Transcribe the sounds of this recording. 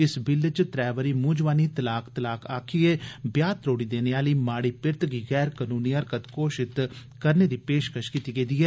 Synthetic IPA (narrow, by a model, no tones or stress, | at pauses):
ɪsbɪlt͡ʃt̪ɾɛːʋəɾiːmũːd͡ʒʋaːniːt̪əlaːkt̪əlaːkʰaːkʰieːbjaːt̪ɾoːɽiːd̪eːneaːliːmaːɽiːpɪɾt̪ɡiːɣɛːɾkənuːniːəɾkət̪koːʃɪt̪ | kəɾneːd̪iːpeːʃkəʃkiːt̪iːɡeːd̪iːɛː